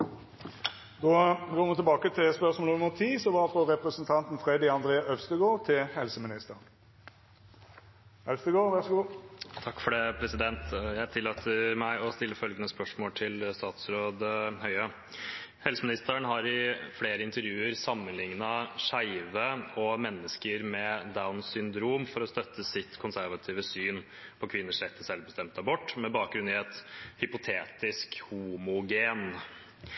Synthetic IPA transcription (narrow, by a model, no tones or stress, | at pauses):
d̪oːɡoːmət̪ɪlbɑːkət̪ʰɪspœʁsmoːləɔmɔt̪ʰiːsɔʋɑɾfɔʁɛpɾəsənt̪ʰɑnt̪n̩fʁeːd̪ɪɑnd̪ʁeːɑʔœʋst̪əɡoːʁt̪ʰɪlhɛlsəmɪnɪst̪əʁn | ɛlst̪əɡoːʋæʁsɡuːt̪ʰɑkːfɔɖ̪ɛpʰɾɛsɪd̪ɛnt̪jæɪt̪ʰɪlːoːt̪ʰəɾmæɪɔst̪ɪlːəfœlɡənəspœʂmoːlt̪ʰɪlst̪ɑːt̪sɾoːd̪hœʏə | hɛlsəmɪnɪst̪əəɳɦɑɾɪfleːɾəɪnt̪əɾjʉːəɾsɑmːənlɪŋnɑʂæɪʋəɔmɛnːəskəɾmɛd̪aʊnsʏnd̪ɾuːmfɔɾɔst̪œt̪ʰːəsɪt̪kʰʊnsæɾʋɑt̪ʰiːʋəsyːn | pʰɔkʰʋɪnːəʂɾɛt̪ʰːəsɛlʋbəst̪ɛmt̪̚d̪æɾbɔʈːmɛbɑːk̚ɡɾʉnɪɛt̪hʏpʊt̪ʰeːt̪ɪskhuːmʊɡeːn